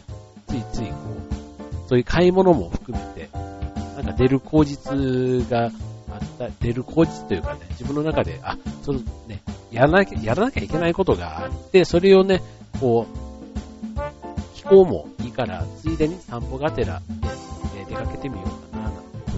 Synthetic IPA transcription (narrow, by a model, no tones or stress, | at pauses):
t͡sɨit͡sɨiko̞ːso̞ːjɯ̟kʰaimo̞no̞mo̞ɸɯ̟̥kɯ̟me̞t̪e̞nãŋkad̪e̞ɾɯ̟kʰo̞ːʑit͡sɨɡaːt̪ːad̪̥e̞ɾɯ̟kʰo̞ːd͡ʑit͡sɨ̥t̪o̞jɯ̟kane̞d͡ʑibɯ̟nːo̞nakad̪e̞̰ʔasoone̞janakʲajaɾanakʲaike̞naiko̞t̪o̞ɡa̰at̪ːe̞so̞ɾe̞o̞ne̞ | ko̞ː | kʲi̥ko̞ːmo̞̰iːkaɾa̰t͡sɨid̪eɲ̟isãmpo̞ɡat̪e̞ɾa̰eed̪e̞kake̞t̪e̞mʲijo̞̰ːk̪ananãn